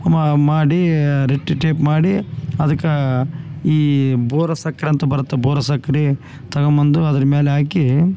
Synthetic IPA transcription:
ɐmɐmaːɽiɾeʈːiʈeːpmaːɽiɐd̪ɐkːɐ | iːboːɾɐsɐkːɐɾiɐnt̪ɐbɐɾɐt̪ːeboːɾɐsɐkːɐɾi | t̪ɐɡɐmɐnd̪uɐd̪ɐɾɐmeːleaːki

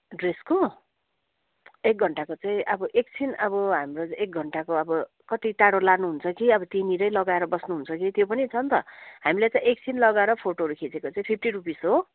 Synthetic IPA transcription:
ɖresko | ek̚ɡʱʌɳʈakot͡saĩʔʌbʌʔek̚t͡sʰinʌbʌɦamrot͡sek̚ɡʱʌɳʈakoʌbʌ | kʌt̪it̪aɽolanuɦunt͡sʰʌkiʌbʌt̪iniɾʌjlʌɡaeɾʌbʌsnuɦunt͡sʰʌkit̪jopʌnit͡sʰʌnt̪ʌ̰ɦamilajt͡saĩek̚t͡sʰinlʌɡaeɾʌpʰoʈoɦʌɾukʰit͡sekot͡saĩpʰipʰʈirupisɦo

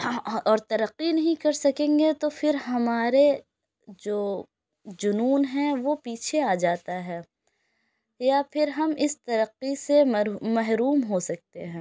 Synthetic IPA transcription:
ɔːɾt̪ɐɾɐqːinɐɦĩkɐɾsɐkẽːŋɡet̪ofɪɾɦɐmaːɾe | d͡ʒoː | d͡ʒʊnuːnɦɛ̃ʋopiːt͡ʃʰeaːd͡ʒaːt̪aɦɛː | jafʰɪɾɦɐmɪst̪ɐɾəqːisemɐɦɾuːmɦosɐk̚t̪eɦɛ̃ː

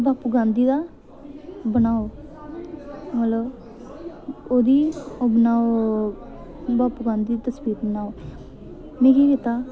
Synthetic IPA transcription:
baːpuɡãːnd̪iːd̪aː | bənaːoː | mələb | oːd̪iːobənaːo | baːpuɡãːnd̪iːt̪əsbiːt̪̚bənaːoː | mẽːkiːkit̪aː

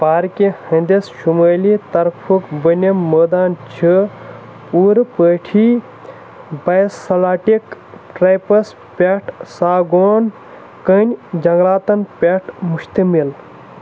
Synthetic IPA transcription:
paːɾkihɐ̃nd̪esʃuməːlit̪ɐɾpʰukbənʲemːəːd̪aːnt͡ʃʰi | puɾpəːʈʰi | bɐjsɐlaːʈikʈɾɐjpɐs | pʲeʈʰsaːɡoːn | kənʲd͡ʒɐŋɡlaːt̪ɐnpʲeʈʰmuʃt̪əmil

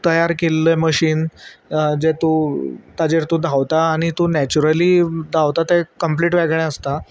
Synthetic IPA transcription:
t̪əjaɾkelːəməɕiːn | d͡zet̪ut̪ad͡ʑeɾt̪ud̪ʱaʋt̪aːɽ̃it̪unɛt͡ɕuɾəliːd̪ʱaʋt̪at̪ekəmpliːʈʋɛɡɭẽəst̪a

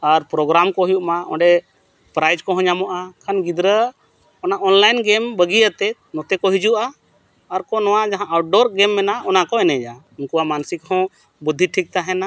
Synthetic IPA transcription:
aɾpɾɔɡɾamkɔɦujuʔmaɔ̰̃ɖɛ | pɾajd͡ʒkɔɦɔ̃ɲamɔʔakʰanɡid̪ɾə | ɔnaʔɔnlajnɡɛmbəɡijət̪ɛt̪nɔt̪ɛkɔɦid͡ʒuʔaː | ɾkɔnɔwad͡ʒaɦãʔaʈ̚ɖɔɾɡɛmːɛnaʔɔnakɔɛnɛd͡ʒa | inkuwamansikhɔ̃ | bud̪ʱːiʈʰik̚t̪aɦɛna

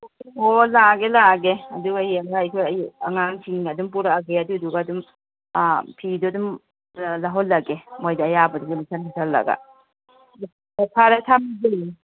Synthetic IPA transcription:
umolaɡelaɡeɐduɡajeŋɾajkʰojɐjɐŋaŋsʰiŋɡɐdumpuɾaːɡeɐduduɡadum | pʰidɔdum | laɦɔlːɐɡemojdaːjabɐduɡelusʰankʰatʰalːɐ̰ɡa̰ | lepʰaɾatʰamibei

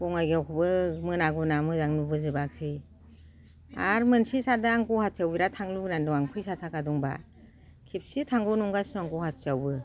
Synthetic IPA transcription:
kɔŋajɡiawkʰɯbɯmɯnaɡunamɯzaŋnubɯzɯbak̚sɯj | a̰ɾmɯnsisadɯaŋkɔhat̚sawbiɾatʰaŋluɡnandɔaŋkʰujsatʰakadɔŋba̰ | kʰip̚sitʰaŋɡɯnɔŋɡasaŋkɔhat̚sawbɯ

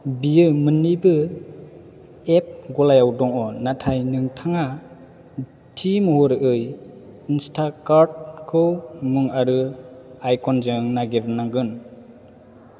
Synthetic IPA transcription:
bijɯmɯnːibɯ | ep̚ɡɔlajawdɔŋɔnatʰajnɯŋtʰaŋa | tʰimhɔɾɯʔɯjinstʰakaɾd̚kʰɯwmɯŋaɾɯajkʰɔnzɯŋnaɡiɾnaŋɡɯn

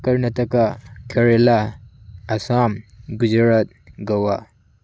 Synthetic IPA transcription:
kɐɾnɐtɐkakʰɐɾela | ɐsamɡud͡ʒɾɐt̪̚ɡɐwa

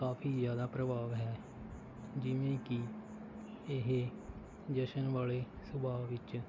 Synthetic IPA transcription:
kaːpʰiːzjaːd̪aːpɾəbaːʋɦɛː | d͡ʒɪʋẽːkɪ | ɪɦ | d͡ʒəʃənʋaːleː | sʊbaːʋɪt͡ʃ

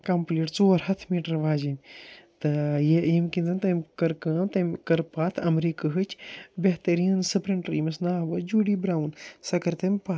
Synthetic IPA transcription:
kɐmpliːʈt͡soːɐɾhɐt̪ʰmiːʈɐɾʋaːd͡ʒimʲt̪ɨjejemkind̪ɨnt̪ɐmʲkɐɾkɐːmt̪ɐmʲkɐɾpaːt̪ʰɐmɾiːkɨɦɨt͡ʃʲʰbʲeɦt̪ɐɾiːnsɨpɾɐɳʈɾimɐsnaːʋɐd͡ʒuːɖiːbɾaːwnsɐkɐɾt̪ɐmʲpa

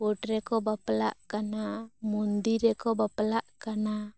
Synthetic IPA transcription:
ɔʈɾɛkɔbapla̰ʔkanamɔnd̪iɾɛkɔbaplaʔkana

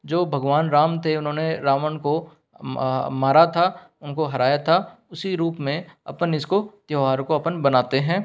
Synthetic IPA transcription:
d͡ʒoːbʱɐɡʋaːnɾaːmt̪ʰeʊnɦõːneɾaːmənko | maːɾat̪ʰa | ʊnkoɦɐɾaːjat̪ʰa | ʊsiɾuːpmẽɐ̰pənɪskot̪joːɦaːɾkoɐpənbɐnaːt̪eɦɛ̃ː

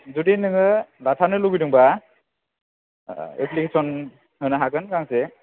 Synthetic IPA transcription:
zudinɯŋɯɾatʰanɯluɡijduŋba | ḛplikesɔn | hɯnɯɦakɯnkaŋse

